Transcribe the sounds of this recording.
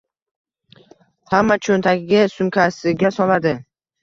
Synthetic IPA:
hamːat͡ʃʰont̪ʰaɡʲɪɡʲɪsʊmkʲʰasɪɡʲasɒlad̪ɪ

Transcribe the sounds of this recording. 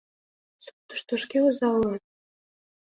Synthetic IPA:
sup̚t̪ə̥̆ʃt̪ŏʃkeuzɑlːɑt̪̚

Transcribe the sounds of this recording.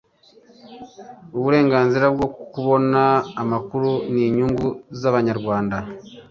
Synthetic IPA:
uβuɾe̞ːŋɡaːnziɾabɡokuβo̞naːmakuɾuniːɲuːŋɡuzaβaɲaɾɡwaːnda

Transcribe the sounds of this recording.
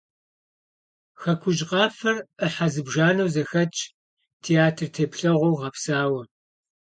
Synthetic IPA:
xɐkʷʰʊʒqɑːfɐrəħazɨbʒaːnɐwzɐxɐt͡ʃʼ | tʰeaːtʰɨrtʰeːpɬɐʁʷowʁɐpsaːwɐ

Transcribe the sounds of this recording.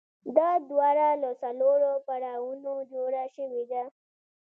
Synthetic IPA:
d̪ad̪waɾaləsaloɾopaɽawunod͡ʒoɾaʃəwid̪a

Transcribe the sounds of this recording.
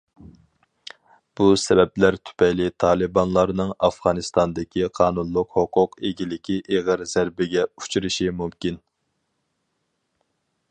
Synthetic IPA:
b̥usɛbɛplæɾt̪ʰy̥pɛjlɪt̪ʰɑːlˠɨbɑnlˠɑɾnɨŋɑfʁɑːnɨst̪ɑnd̪ɪkʲʰiqʰɑːnunlˠʊqhoqʰʊqeɡʲilɪkʲʰiʔeʁəɾz̥æɾbɪɡʲɛu̥t͡ʃʰuɾɨʃimumkʲin

